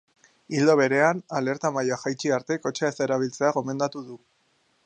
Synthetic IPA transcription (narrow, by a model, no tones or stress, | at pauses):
ild̪o̞β̞e̞ɾe̞anale̞ɾt̪amajaxajt͡ʃiaɾt̪e̞ko̞t͡ʃeaese̞ɾaβ̞ilt͡se̞aɣo̞me̞nd̪at̪uðu